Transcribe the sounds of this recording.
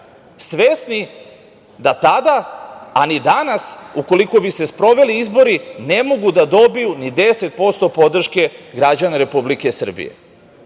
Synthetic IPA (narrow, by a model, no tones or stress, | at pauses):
sʋesni | d̪at̪ad̪aanid̪anasuko̞liko̞bise̞spɾo̞ʋe̞liizbo̞ɾinemo̞ɡud̪ad̪o̞bijunid̪e̞se̞t̪̚po̞st̪o̞po̞d̪r̩ʃke̞ɡɾad͡ʑanaɾe̞publike̞sr̩bḭje̞̰